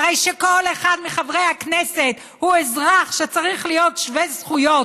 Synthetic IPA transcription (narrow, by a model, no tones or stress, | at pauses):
aʁejʃekoleχad̪miχavʁejhaknɛset̪ | huezʁaχʃet͡saʁiχlijot̪ʃvesχujo